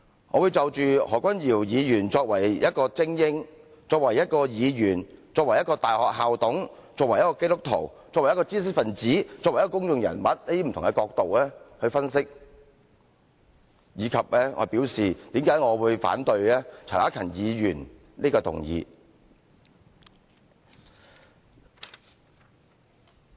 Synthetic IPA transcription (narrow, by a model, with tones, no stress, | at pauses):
ŋɔː˨˧wuː˨˧jt͡sɐ˨wt͡ʃyː˨hɔ̰ː˨kʷɐ˥njiː˨˩wjiː˨˧jyː˨˩nt͡sɔː˧k̚wɐ˨˩jjɐ˥t̚kɔː˧t͡sɪ˥ŋjɪ˥ŋ | t͡sɔː˧k̚wɐ˨˩jɐ˥t̚kɔː˧jiː˨˧jyː˨˩nt͡sɔː˧k̚wɐ˨˩jɐ˥t̚kɔː˧t̪aː˨˩jhɔː˨k̚ɦaː˨wt̪ʊ˨˥ŋ | t͡sɔː˧k̚wɐ˨˩jɐ˥kɔː˧ke˥t̪ʊ˥k̚t̪ʰːo̰˨˩wt͡sɔː˨˧wjɐ˥kɔː˧t͡siː˥s̬ɪ˥k̚fɐ˨nt͡siː˨˥t͡sɔː˧k̚wjkɔː˥kʊ˥ŋt͡sʊ˧ŋjɐ̰˨˩nmɐ˨t̚le˥i˥˩m̩˨t̪ʰʊ˨ŋkɛ˧kɔː˧k̚t̪o˨wɛː˥hɵ˧ɥfɐ˥nsɪ˥k̚ | jiː˨˧kʰɐ˨p̚lɛː˥ŋɔ̰ː˨˧piː˨˥wsiː˨˩t̪iː˨˥mkaː˨˥jŋɔː˨˧wuː˨˧jfa̰ː˨˥nt̪ɵ˧ɥlɛː˥t͡sʰa̰˨˩aː˨˥kʰɐ˨˩njiː˨˧jyː˨˩n | niː˥kɔː˧t̪ʰʊ̰˨˩ŋjḭː˨˧